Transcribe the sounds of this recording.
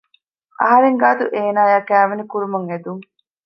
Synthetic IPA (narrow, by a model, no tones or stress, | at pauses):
ʔɐ̰ɦɐɾeŋɡaːt̪uʔeːnaːjakæːʋɐnikuɾumɐŋed̪uŋ